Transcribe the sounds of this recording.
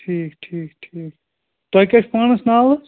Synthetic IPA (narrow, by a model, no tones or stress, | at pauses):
ʈʰiːkʈʰiːkʈʰiːk | t̪ojkɐt͡ʃʰpaːnɐsnaːl